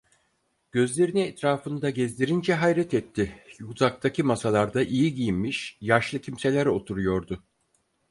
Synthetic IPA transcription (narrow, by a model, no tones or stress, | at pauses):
ɟ̥ø̞zlʲe̞ɾiniɛt̪ɾaːfɯnd̪aɟɛzlʲeɾind͡ʒɛɦajɾɛt̪ʰɛt̪ʰːɪjuzak̚t̪ʰacʰimasalˠaɾd̪aʔijiɟijimmiʃjaʃlˠɯcʰimse̞lʲæɾo̞t̪ʰuɾujo̞ɾd̪ʊ